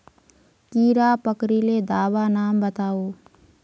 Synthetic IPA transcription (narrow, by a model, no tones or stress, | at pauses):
kiːɾaːpəkɾiled̪aːʋanaːmbət̪aːoː